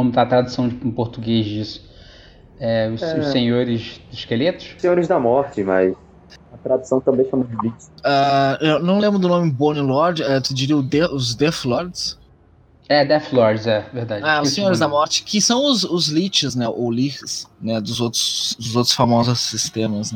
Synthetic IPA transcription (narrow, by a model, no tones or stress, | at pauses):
õmʊt̪at̪ɾad̪usɐ̃w̃d͡ʒɪ̃poɾt̪uɡezd͡ʒisʊ̥ | ɛʊɛʊsẽɲoɾɪzɪskelet̪ʊ̥ʃsẽɲoɾɪzd̪ɐmɔɾt͡ʃɪmɐ̰js | ɐt̪ɾad̪usɐ̃w̃t̪ɐ̃mbẽj̃famũd͡ʒlit͡ʃsaewnɐ̃w̃lẽmbɾʊd̪ʊnõmɪbõnilɔɾd͡ʒɛt̪ud͡ʒiɾiɐʊd̪eʊzd̪eflɔɾd͡ʒs | ɛd̪ɛflɔɾd͡ʒɪzɛveɾd̪ad͡ʒaʊsẽɲoɾɪzd̪amɔɾt͡ʃɪ̥kʰɪsɐ̃w̃ʊzʊzlit͡ʃɪznɛʔowlixsnɛd̪ʊzowt̪ɾʊ̥sd̪ʊzowt̪ɾʊ̥sfamɔzʊsːist̪ẽmɐzn